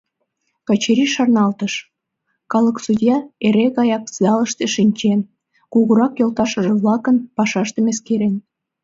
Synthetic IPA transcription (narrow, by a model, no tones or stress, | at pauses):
kɑt͡ɕeɾiʃɑrnɑlt̪əʃ | kɑləksud̪ʲjɑeɾeɣɑjɑk̚sjɑləʃt̪eʃinʲt͡ɕen | kuɣuɾɑkjolt̪ɑʃə̆ʒĕβlɑkənpɑʃɑʃt̪emeskeɾen